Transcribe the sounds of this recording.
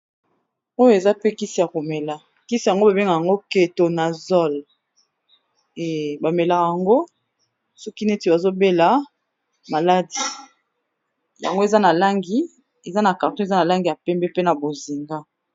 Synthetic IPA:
o˦jo˦e˨za˦pe˦ki˦si˨ja˨ko˨mɛ˨la˨ | ki˦si˨ja˨ŋɡo˦ba˨be˦ŋɡa˨ja˨ŋɡo˦ke˨to˨na˨zɔ˦l | ɛ˨ba˨mɛ˨la˨ja˨ŋɡo˦ | sɔ˦ki˦nɛ˦ti˨ba˨zo˦be˦la˨˦ | ma˨la˦di˨ | ja̰˨ŋɡo˦e˨za˦na˨la˦ŋɡi˦ | e˨za˦na˨ka˨ʁtõ˦e˨za˦na˨la˦ŋɡi˨ja˨pɛ˦mbɛ˦pe˦na˨bo˨zi˨ŋɡa˦

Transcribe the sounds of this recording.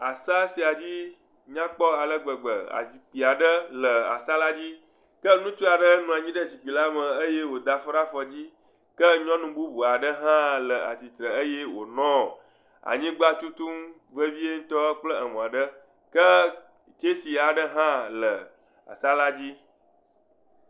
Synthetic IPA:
a˨sa˦si˨a˨d͡ʑi˦ | ɲã˦k͡pɔ˦a˨lə˦ɡ͡bə˨ɡ͡bə̰˨a̰˨zi˨k͡pi˨a˨ɖə˦lə˨a̰˨sa˦la˦d͡ʑi˦ | kə˦nũ˦t͡ʃ̪u˦a˨ɖə˦nũ˨a˨ɲĩ˦ɖə˦˨zi˨k͡pi˨la˦mə˨ə˦je˦wo˨d̪a˨fɔ˦ɾa˦fɔ˨d͡ʑi˦ | kə˦ɲɔ̃˦nũ˨bu˦bu˨a˨ɖə˦ɦã˦lə˨a̰˨t̪i˨t̪ɾə˨ə˦je˦wo̰˨nɔ̃˦˨ | a̰˨ɲĩ˦ɡ͡ba˦t̪u˦t̪u˦m | və˦vi˦e˦ŋ̩̃˦t̪ɔ˦k͡plə˦ə˨mɔ̃˨a˨ɖə˦ | kə˦ | t͡ʃe˦si˨a˨ɖə˦ɦã˦lə˨ | a̰˨sa˦la˦d͡ʑi˦

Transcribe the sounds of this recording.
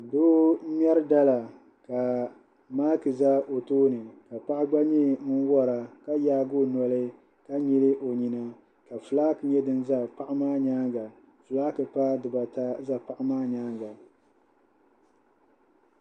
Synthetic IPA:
doː˦m˦ɛ˦ɾɨ˦da˦la˨ | ka˨ | maː˦kɨ˨za˦o˨toː˦nɨ˨ka˨pa˦ʔɪ˦ɡ͡ba˦ɲi˦mɨ˦n˦wɔ˦ɾa˨ka˦jaː˦ɡo˦˨nɔ˦lɨ˦ | ka˦ɲi˦lɨ˦ʔo˨ɲi˨na˦ | ka˨fɨ˨laː˦kɨ˨ɲɛ˦dɨ˦n˦za˦pa˦ʔɪ˦maː˦ɲaː˦ɡa˨ | fɨ˨laː˦kɨ˨paː˦dɨ˨ba˨ta˦za˦pa˨ʔɪ˦maː˦ɲaː˦ŋɡa˨

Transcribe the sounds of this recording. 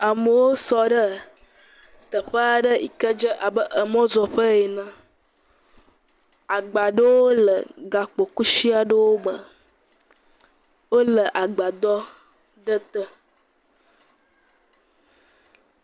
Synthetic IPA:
a˨mə˨wo˦sɔ˦ɖə˦ | t̪ə˨ɸə˦a˨ɖə˦i˨kə˦d͡ʒə˦ʔa˨bə˦ʔə˨mɔ̃˦zɔ˨ɸə˦e˨nã˦ | a˨ɡ͡ba˨ɖə˦wo˦lə̰˨ɡa˨k͡po˨ku˦si˦a˨ɖə˦wo˦ɡ͡bə˨ | wo˦lə˨ʔa˨ɡ͡ba˨d̪ɔ˦ | ɖə˦t̪ə˦

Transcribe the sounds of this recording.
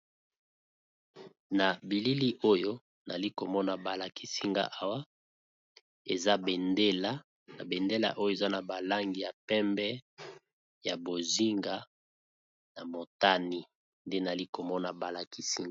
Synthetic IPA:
na˨bi˨li˦li˦ʔo˦jo˦ | na̰˨li˦ko˨mɔ˦na˨ba˨la˨ki˦si˦ŋɡa̰˦˨ʔa˦wa˦ | ḛ˨za˦be˨nde˦la˦ | na˨be˨nde˦la̰˨ʔo˦jo˦˨e˨za˦na˨ba˨la˦ŋɡi˨ja˨pɛ˦mbɛ˦ | ja˨bo˨zi˦ŋɡa˦ | na˨mo˨ta˦ni˦ | nde˦na˨li˦ko˨mɔ˦na˨ba˨la˨ki˦si˦ŋ˨

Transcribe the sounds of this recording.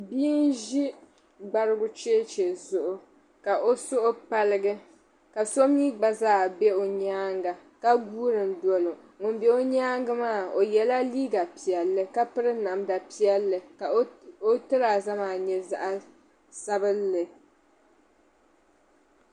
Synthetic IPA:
biː˦nʒi˦ | ɡ͡ba˦ɾɨ˦ɡʊ˦t͡ʃeː˦t͡ʃe˨zʊ˨ʔʊ˨ | ka˨ʔo˦sʊ˦ʔʊ˦pa˦lɨ˦ɡɨ˦ | ka˨so˦mɲi˦ɡ͡ba˦zaː˦˨bɛ˦o˨ɲaː˦ŋɡa˨ka˦ɡuː˦ɾɨ˨mdɔ˨lo˨ | ŋʊ˨n˦bɛ˦o˦ɲaː˦ŋɡɨ˦maː˦˨o˨jɛ˨la˦liː˦ɡa˨pi˨ɛ˨lːɨ˦ka˦pɨ˦ɾɨ˦na˨mda˨pi˦ɛ˦lːɨ˨ka˨˦o˦tɨ˦ɾa˨za˦maː˨ɲɛ˦za̰˨ʔa˦ | sa˦bɨ˦lːɨ˨

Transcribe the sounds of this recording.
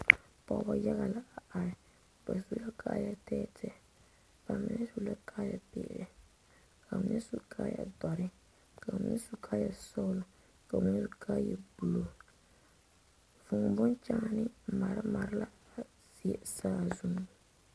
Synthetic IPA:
pɔ˨˦ba˦ja˦ɣa˨la˨a˨a˨ɾɪ˨ | ka˨su˨˦la˦kʰa̰ː˦ja˨tɛː˦t | ka˨mi˦nɛ˦zu˨la˦kʰaː˦ja̰˨pḛ˦˨ʔɾɛ˨ | kʰa˨m˦ɲɛ˦su˨ka˦ja̰˨dɔ˨ɾɪ˦ | ka˨m̩˨˦ɲɛ̰˦su˨kʰa˦ja˨sɔ˦la˨ | ka˨mɪ˦n˦su˨kʰa˦jɛ˨bu˨lo˨ | vu˨ŋ˨bʊ˦nt͡ʃa˦nɪ˦˨ma˨ɾɪ˦ma˨ɾɪ˦la˦˨ | zi˨e˨saː˦˨zu˨n˦˨

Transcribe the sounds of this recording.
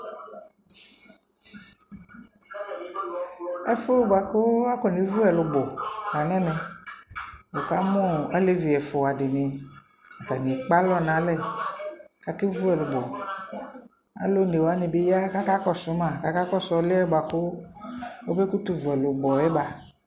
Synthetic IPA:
ɛ˦fʊ˦ba˨kʊ˦a˦kɔ˨ni˨˦vu˦ɛ˨lʊ˨bɔ˨a˨nɛ̃˦nɛ̃˨ | o˨ka˨˦mʊ̃˦a˦le˦vi˨ɛ˨fʊ˨a˨dɪ˨nɪ̃˨ | a˨ta˨ni˨k͡pa˦lɔ˦nã˨˦lɛ˦˨ | ka˨˦ti˦vu˦ɛ˨lʊ˨bɔ˨ | a̰˦lo˦ne˨wa˨˦nɪ̃˨bɪ˦ja˦ka˦ka˦kɔ˦˨sʊ˨˦mã˨ka˨˦ka˦kɔ˦sɔ˨˦lɪ˦ɛ˦ba˨kʊ˦ | o˦be˦ku˦tu˨vʊ˨ɛ˨lʊ˨bɔ˨ɛ˦ba˨

